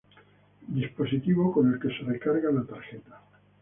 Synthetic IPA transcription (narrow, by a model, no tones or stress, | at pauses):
d̪ispo̞sit̪iβokone̞lke̞serekaɾɣalat̪aɾxet̪ḁ